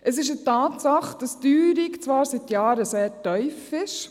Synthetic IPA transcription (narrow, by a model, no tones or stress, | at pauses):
ʔəsɪʃ̬ətɑːtsɑχd̥ɑsdyːɾikt͡sʋɑːɾsit̪jɑːɾəseːɾtœʏfɪʃ